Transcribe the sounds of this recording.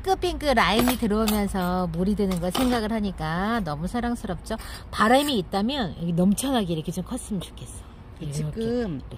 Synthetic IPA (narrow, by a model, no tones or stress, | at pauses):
k͈ɯp͈ʰinkɯɾainitɯɾʌumjʌnsʰʌmuɾidwɯnɯnɡʌsʰe̞ŋɡaɡɯɭɦaɲik͈anʌmusʰaɾaŋsʰɯɾʌp̚t͡ɕ͈opaɾaimiːt̚t͈amjʌnkʰenʌmt͡ɕʰʌnɦaɡeiɾʌkʰet͡ɕomkʰʌs͈ɯmt͡ɕo̥kʰe̞s͈ʌ | iʌkɯm